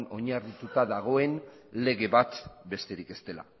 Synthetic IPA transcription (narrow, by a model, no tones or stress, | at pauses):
no̞ɲarit̪ut̪aðaɣ̞o̞e̞n | le̞ɣe̞βat̪be̞st̪e̞ɾike̞st̪e̞la̰